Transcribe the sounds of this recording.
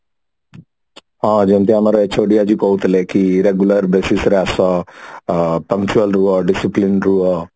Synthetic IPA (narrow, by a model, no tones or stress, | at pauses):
ãːd͡ʒɐnt̪iɐmɐɾɐet͡ʃoːɖijad͡ʒikowt̪ɐleːkiɾeɡjulɐɾbesisɾɛːsa | pɐŋkt͡ʃuɐlɾuːaɖisiplinɾuːa